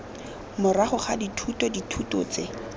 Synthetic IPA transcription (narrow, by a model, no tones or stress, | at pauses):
mʊraχʊχaditʰutɔditʰutɔ̰t͡se